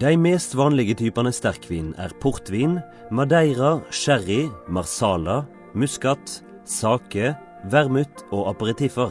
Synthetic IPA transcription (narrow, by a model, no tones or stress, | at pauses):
d̪æɪmeːst̪ʋɑːnlɪɡət̪ʰyːpɑnəst̪æʁkʰʋiːnn̩æ̰ːʁpʰʊʁt̪ʋiːn | mɑd̪æɪʁɑʃæʁɪmɑʁsɑːlɑ | mʉskɑt̪ | sɑːkə | ʋæʁmʉt̪ʰoːʔɑpɑʁət̪ɪfəʁ